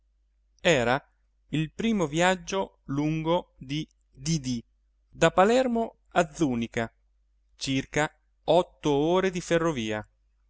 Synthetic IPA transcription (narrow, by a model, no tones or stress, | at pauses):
ɛːɾa | ilpɾiːmovjad͡ʒːo | luŋɡod̪i | d̪id̪i | d̪apalɛrmo | ad̪zːuːnika | t͡ʃirka | ɔt̪ːooːɾed̪iferːoviːa